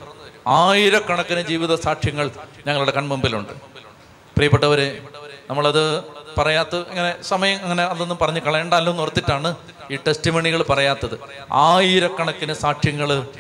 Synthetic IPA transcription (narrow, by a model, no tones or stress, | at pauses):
aːjiɾɐkːɐɳɐkːinɨd͡ʑiːʋiðɐsaːʈʂjɐŋːɐɭɲɐŋːɐɭuɽe̞kɐnmumbiluɳɖɨ | prijɐpːeʈːɐʋɐɾenɐmːɐɭɐðɨpɐrɐjaːt̪ːɨɐŋːɐne̞sɐmɐjɐmɐŋːɐne̞ɐðːonːumpɐrɐɲːukɐɭɐɳɖaːlːomnorɐt̪ːiʈːaːɳɨ | iːʈestimoɳiɣɐɭpɐrɐjaːt̪ːɐðɨ | aːjiɾɐkːɐɳɐkːinɨsaːʈʂjɐŋːɐɭ